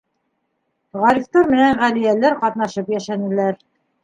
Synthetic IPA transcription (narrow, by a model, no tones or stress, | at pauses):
ʁɑɾift̪ɑɾmɘ̆næɴʁælijælæɾqɑt̪nɑʃɤpjæʃænɘ̆læɾ